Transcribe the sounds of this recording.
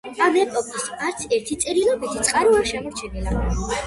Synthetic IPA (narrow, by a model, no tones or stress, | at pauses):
amɛpʼɔpʼisaɾt̪sʰɛɾt̪ʰit̪sʼiɾilɔbit̪ʰit̪sʼqʼaɾiaɾʃɛmɔɾt͡ʃʰɛnila